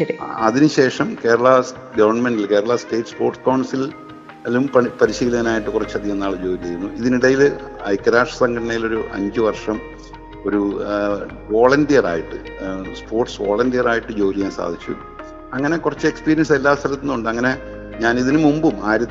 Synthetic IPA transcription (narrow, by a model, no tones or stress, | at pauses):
ɾiɐðinɨɕe̞ːʂɐmke̞ːɾɐɭɐ | ɡɐʋɐrnme̞ɳnɖilke̞ːɾɐɭɐsʈeːʈːspo̞ːrʈskɐwɳsil | lumpɐpɐɾiɕiːlɐɣɐnaːjiʈːɨkurɐt͡ɕːɐðienːaːɭɨd͡ʑo̞ːlit͡ɕejunːuiðiniɽɐjilɐjkːɐɾaːʂɐ̥sɐŋɡʰɐɽɐɳɐjilo̞ɾuʔɐ̰ɲd͡ʑɨʋɐrʂɐm | o̞ɾu | ʋo̞ːɭɐndijɐra̰ːjiʈːɨspʰo̞ːrʈsʋo̰ːɭɐndijɐraːjiʈːɨd͡ʑo̞ːlijaːnsa̰ːd̪ʱit͡ɕːṵ | ɐŋːɐne̞kurɐt͡ɕːɨe̞kspiːɾijɐnse̞lːaːst̪ʰɐlɐt̪ːinːuɳɖɨɐŋːɐne̞ | ɲaːniðinɨmumbumaːjiɾɐ